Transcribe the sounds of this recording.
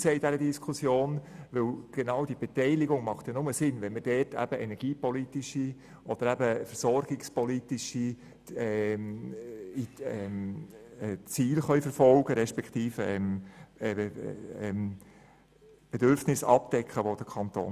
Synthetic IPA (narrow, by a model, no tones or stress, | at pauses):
seːid̥æɾədiskʰusjoːnʋɪlɡ̥enɑwd̥ib̥ɛtɛɪlɪɡʊŋmɑχtjɑnʊməsɪnvɛnmədɛtʰæ̰b̥əʔɛnɛɾɡ̥iːpɔlitiʃi | ʔɔd̥əɾæbəfəɾsɔɾɡ̥ɪkspɔlitɪʃi | ɛm | iɛm | t͡siːlχœʏfəɾfɔlɡ̥əɾɛʃpɛkχt̪iːfɛ̰mɛɛm | b̥ɛdøɾfnɪsɑ̰pd̥ɛkχəʋod̥əkʰɑnt̪o̰ː